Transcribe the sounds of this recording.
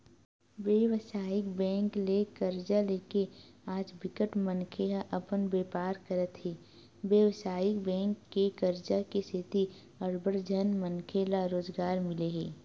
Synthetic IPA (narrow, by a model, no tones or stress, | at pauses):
ʋjeːʋsaːɪkbɛ̃ːŋklekəɾd͡ʒaleːkeaːd͡ʒbɪkəʈmənkʰeaʔɐpənbeːpaːɾkəɾət̪ɦeː | ʋjəʋsaːɪkbɛ̃ːŋkːekəɾd͡ʒakesɪt̪i | əɾbəɾd͡ʒʱənmənkʰelaɾoːzɡaːɾmɪleɦeː